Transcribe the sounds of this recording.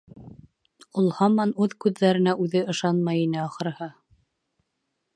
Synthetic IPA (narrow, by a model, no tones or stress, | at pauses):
ulˠhɑmɑnʉðkʉðːæɾɘ̆næʔʉðɘɤ̆ʃɑnmɑjinɘɑχɤ̆ɾhɤ